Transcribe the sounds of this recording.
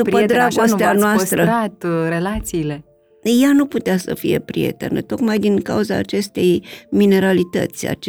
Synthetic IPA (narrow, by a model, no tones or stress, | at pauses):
d̪upəd̪ɾaɡo̞st̪eanoast̪ɾəat̪ɾelat̪siːle̞ | januput̪easə̰fḭje̞pɾije̞̰t̪ḛnə̰t̪o̞kmajd̪iŋka̰uza̰ːt͡ʃe̞st̪e̞jmine̞ɾalit̪ə̰t̪sʲa̰t͡ʃ